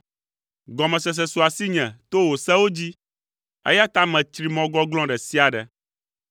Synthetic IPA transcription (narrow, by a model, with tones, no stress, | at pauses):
ɡɔ˨mɛ̃˨sɛ˨s̬ɛ˨su˨a˨si˦ɲɛ̃˨t̪o˦wo˨sɛ˦wo˦d͡ʑi˦ | ḛ˦ja˦t̪a˦mɛ̃˨t̪ɾi˨mɔ̃˨ɡɔ˦ɡlɔ̃˦ɖɛ˨si˦a˨ɖɛ̰˨